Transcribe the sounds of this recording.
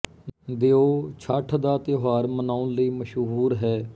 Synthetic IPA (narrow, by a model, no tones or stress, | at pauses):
d̪eoːt͡ʃʰaːʈʰd̪aːt̪joɦaːɾmənaːʊ̃nləiːməʃɦuːɾɦɛː